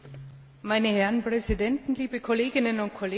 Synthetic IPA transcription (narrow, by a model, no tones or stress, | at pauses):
maɪnəhɛʁənpʁ̥ɛzidɛntn̩liːbəkʰoleːɡɪnənʊnt̚kʰoleː